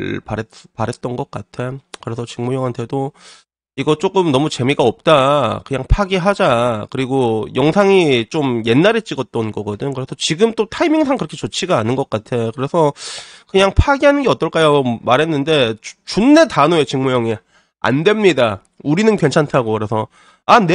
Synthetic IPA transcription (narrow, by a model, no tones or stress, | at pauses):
paepaɾɦe̞t̚t͈ʌnɡʌk̚k͈atʰe̞kɯɾe̞sʰʌt͡ɕɯŋmujʌŋɦantʰedo | iɡʌt͡ɕ͈ok͈ɯmnʌmut͡ɕe̞miɡaʌp̚t͈akɯɲaŋpʰaɡiɦad͡ʑakɯɾiɡojʌŋsʰaŋit͡ɕomje̞nːaɾet͡ɕ͈iɡʌt̚t͈ʌnɡʌɡʌdɯnkɯɾe̞sʰʌt͡ɕiɡɯmt͈otʰaimiŋsʰaŋkɯɾʌkʰet͡ɕot͡ɕʰiɡaːnɯnɡʌk͈atʰe̞kɯɾe̞sʰʌkɯɲaŋpʰaɡiɦanɯnɡe̞ʌt͈ʌɭk͈ajmaɾɦenːɯnde̞t͡ɕunːe̞tanoe̞t͡ɕɯŋmujʌŋi | a̰ndwe̞mɲida | uɾinɯnkɥwe̞nt͡ɕʰantʰaɡokɯɾe̞sʰʌ | ane